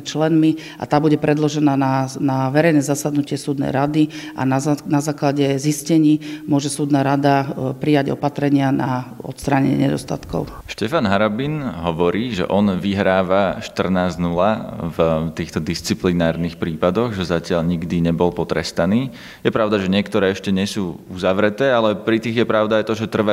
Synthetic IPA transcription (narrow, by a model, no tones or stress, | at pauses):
t͡ʃlɛnmi | ʔa̰t̪aːbuɟɛpɾɛd̪lɔʒɛnaːnanaʋɛɾɛjnɛːzasad̪nucɪɛsuːd̪nɛ̰jɾad̪iʔa̰nanazaːklaɟɛziscɛɲiːmʊɔʒɛsuːd̪naɾad̪apɾijaɟɔ̰pat̪ɾɛɲɪanaɔ̰t̪st̪ɾaːɲɛ̰ɲɪ̰ɛ̰ɲɛ̰d̪ɔ̰st̪a̰t̪kɔ̰ʊ | ʃcɛfanɦaɾɔbinɦɔʋɔɾiːʒɛ̰ʔɔnʋiɦɾaːʋaʃt̪r̩naːznulavt̪iːxt̪ɔd̪ist͡siplinaːɾnixpɾiːpad̪ɔɣʒɛzacɪaʎɲiɡd̪iɲɛbɔlpɔt̪ɾɛ̰st̪aniː | jɛpɾaʊd̪aʒɛɲɪɛkt̪ɔɾɛːɛʃcɛɲɛsuːuzaʋɾɛt̪ɛːalɛpɾit̪iːɣjɛpɾaʊd̪aajt̪ɔʒɛt̪r̩ʋa